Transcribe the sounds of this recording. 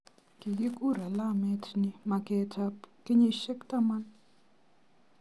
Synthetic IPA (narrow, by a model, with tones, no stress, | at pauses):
ki˨je˦ku˦ɾɛ˨la˦mɛ˦tʰni˨ma˨kɛ˦tʰa˦pke˦ɲe˦ʃɛ˦kta˦ma˦n